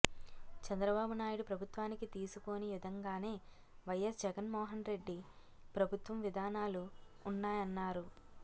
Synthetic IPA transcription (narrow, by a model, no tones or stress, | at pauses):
t͡ʃɐnd̪ɾɐbaːbunaːjuɽupɾɐbʱut̪ʋaːnikit̪iːsuko̞ːnijud̪ʱɐŋɡaːne̞ː | ʋɐjɐsd͡ʒɛɡɐnmɔːɦɐnɾe̞ɖːi | pɾɐbʱut̪ʋɐmʋid̪ʱaːnaːluːnːaːjɐnːaːɾu